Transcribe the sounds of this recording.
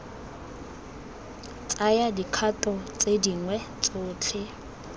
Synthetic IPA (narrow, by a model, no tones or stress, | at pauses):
t͡sʼajadikʰatʼɔt͡sʼediŋwɛ | t͡sʼʊːt͡ɬʰɪ